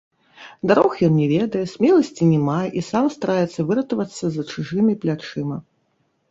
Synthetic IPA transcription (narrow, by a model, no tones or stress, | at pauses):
d̪aɾɔxjɔnnʲɛvʲɛd̪ɐjɛsʲmʲɛlˠɐsʲt͡sʲinʲɛmaʔisamst̪aɾajɛt̪sːɐvɨɾɐt̪ɐvɐt̪sːɐzɐt͡ʂuʐɨmʲiplʲat͡ʂɨmɐ